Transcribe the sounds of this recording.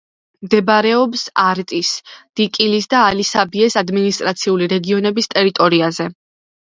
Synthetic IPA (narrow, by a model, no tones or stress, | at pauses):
md̪ɛbɾɛɔbsaɾt̪ʼisd̪̥ikʼilisd̪aːlisabiɛsad̪minist̪ʼɾat̪sʰiuliɾɛɡiɔnɛbist̪ʼɛɾit̪ʼɔɾiazɛ